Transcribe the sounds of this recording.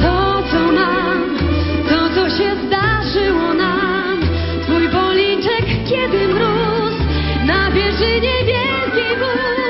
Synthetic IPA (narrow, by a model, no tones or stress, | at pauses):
vɔd̪zɔna | mt̪ɔt̪sɔɕɛzd̪aʐɨwɔna | m | t̪fujbɔlʲit͡ʂɛkʲːɛd̪ɘmɾu | s | nabʲjɛʐɘɲɛvʲjɛlkʲɛjvɛ